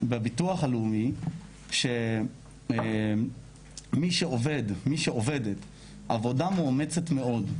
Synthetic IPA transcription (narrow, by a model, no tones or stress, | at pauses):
bebituaχalumi | ʃe | miʃeovedmiʃeʔovedet | avo̞damomet͡setme̞o̞d